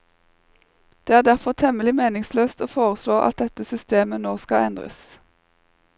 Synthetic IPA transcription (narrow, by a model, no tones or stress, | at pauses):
d̪̥eːæːʁd̪æʁfɔʁt̪ʰɛməlɪmeːnɪŋsløːst̪oːfoːʁəsloːʔɑ̰t̪̚d̪ɛt̪əsʏst̪eːmənoːskɑɛnd̪ʁə̰s